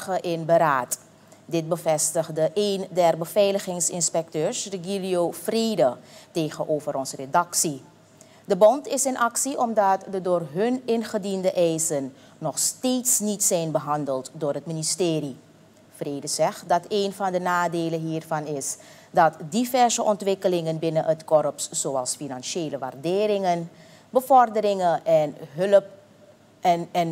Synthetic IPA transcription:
əʔɪnbəɾaːt | dɪt̚bəvɛstəχdəʔejndɛrbəvɛjləχɪŋsɪnspɛk̚tøːɹsdəɡiliofreːdətejχənʔowvəɾɔnzəredɑksi | dəbɔntɪsənʔɑksiʔɔmdɑtdədʊːrɦɵnɪnχədindəʔɛjzənː | ɔχsteːtsnitsɛjnbəɦɑndəlˠtdoːɹɦətministeːɾi | freːdəzɛχtdɑteːnvɑndənaːdeːlənɦiːrvɑnɪs | dɑtdivɛɹzəʔɔntʋɪkəlɪŋənbɪnənətkɔɾəpsz̥oɑlˠsfinɑnʃeːləʋa̰ːrdɪːɾɪŋən | bəvɔrdəɾɪŋənʔɛnɦøləp̚ | ɛn

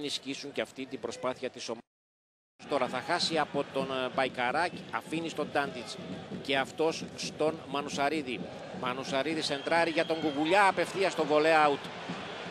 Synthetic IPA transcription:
niscisuɲceɐft̪ind̪ibɾo̞spɐθiɐt̪iso̞m | st̪o̞ɾɐθɐxɐsiɐpo̞t̪o̞nbɐjkɐɾɐcɐ̰finist̪o̞d̪ɐnd̪it͡sce̞ɐft̪o̞sst̪o̞nmɐnusɐɾiði | mɐnusɐɾiðise̞nd̪ɾɐɾiʝɐt̪o̞ŋɡuɣuʎɐːpe̞fθiɐst̪o̞vo̞le̞ɐut̪

